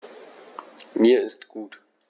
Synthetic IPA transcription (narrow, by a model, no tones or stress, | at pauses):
miːɐɪstɡ̥uːt